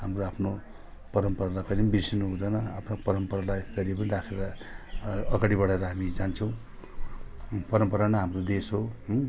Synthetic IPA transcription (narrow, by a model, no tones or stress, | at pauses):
ɦamroapʰno | pʌɾʌmpʌɾalakʌninbisinuɦũd̪ʌnʌa̰pʰnapʌɾʌmpʌɾalaett̪ʌɾiep̬ʌniɾakʰeɾʌ | ʌɡaɽibʌɽeɾʌɦamid͡zant͡sʰʌ̃w̃ | pʌɾʌmpʌɾanʌɦamrod̪esɦo